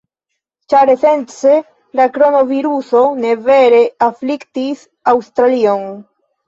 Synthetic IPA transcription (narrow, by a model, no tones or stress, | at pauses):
t͡ʃaɾeθent̪se | lakɾonoviɾusoneveɾeaflikt̪is | awst̪ɾalioŋ